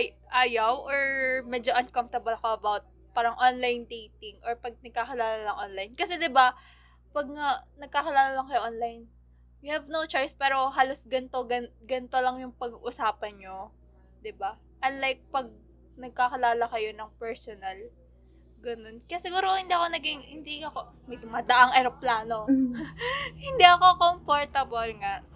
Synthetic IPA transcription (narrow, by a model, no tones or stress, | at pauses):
ʔaːjɐwʔoɹmɛd͡ʒoʔɐnkɐmft̪ɐbɐlɐkoɐbawt̪̚ | paːɾɐŋʔonlajnd̪ejt̪ɪŋʔoɹpɐɡ̚nɐɡ̚kakɪlaːlɐlɐŋʔonlajnkɐsɛd̪ɪba | pɐɡ̚ŋɐnɐɡ̚kakɪlaːlɐlɐŋkɐjoʔonlajn | jʊhɛvnowt͡ʃo̞jspɛːɾo̞ɦaːlo̞sɡɐnt̪oɡɐnɡɐnt̪olɐŋjʊŋpɐɡʔʊsaːpɐnɲo | d̪ɪba | ʔɐnlajk̚pɐɡ̚ | nɐɡ̚kakɐlaːlɐkɐjo̞nɐŋpɛɹsonɐl | ɡɐno̞nkɐjasɪɡuːɾohɪnd̪iːʔɐko̞nɐɡiŋhɪnd̪iɐkomɐjd̪ʊmaːd̪ɐʔaŋʔɐɾɐplaːno̞ | hɪnd̪iɐkokompoɹt̪ɐbolŋaʔ